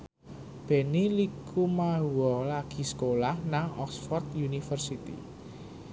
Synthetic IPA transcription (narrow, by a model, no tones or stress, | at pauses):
b̥ɛ̤nilikʰumaɦuwɔlaɡ̥i̤sə̥kolahnaŋɔksfɔrt̪̚junifərsit̪ḭ